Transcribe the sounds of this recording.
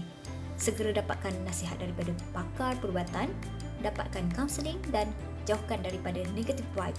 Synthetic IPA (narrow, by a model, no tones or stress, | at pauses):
səɡəɾadapa̰t̪̚kanːãsiɦat̪̚daɾipadapakarpərbuat̪an | dapa̰t̪̚kankamsəliŋdan | d͡ʒauhkandaɾipadanẽɡat̪ifwajp